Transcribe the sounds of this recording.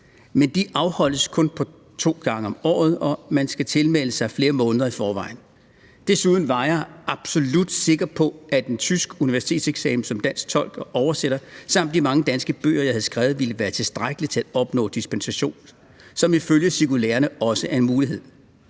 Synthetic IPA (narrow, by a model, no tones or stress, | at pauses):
mend̥iʔɑ̈ʊhɒ̽l̰d̥əskʰɔ̽npʰɒ̽ | t͡sʰo̝̰ːɡ̥ɑ̈ŋəɒ̽mɒ̰ːð̞̩ˠɒ̽mænsɡ̥æt͡sʰe̝lmeləsɑ̈ɪfle̝ːɐmɔ̽ːnəð̩ˠɐifɒːʋɑ̈ɪn̩ | d̥esuð̞ˠn̩ʋɑ̈jɑ̈ɪʔɑ̈b̥so̝lud̥se̝ɡ̥ɐpʰɒ̽æd̥ent͡sʰysɡ̥əuniʋæɐsi̥t͡sʰe̝̰ːd̥seɡ̥sɛ̰ːmsɒ̽md̥æn̰sɡ̥̚t͡sʰɒ̽l̰ɡ̥ɒʔɒʊɐseɾ̥ɐsɑ̈m̰d̥d̥imɑ̈ŋəd̥ænsɡ̥əb̥ø̰ːɐjɑ̈hæð̩ˠsɡ̥ʁaʊð̩ˠʋiləʋæːɐt͡sʰe̝sd̥ʁaɪɡ̥əlit͡sʰe̝læ̥ɒ̽b̥nɔ̰̽ːd̥isb̥ensæɕo̝̰ːn | sɒ̽miføljəsiɡ̥ulḛːɐnəɒ̽səæɐe̝nmuːliɦe̝ð̰ˠ